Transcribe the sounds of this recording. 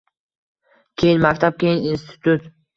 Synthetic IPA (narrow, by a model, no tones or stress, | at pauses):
kʲʰejɪnmakʲt̪ʰap̚kʲʰejininst̪ʰɪ̥t̪ʰut̪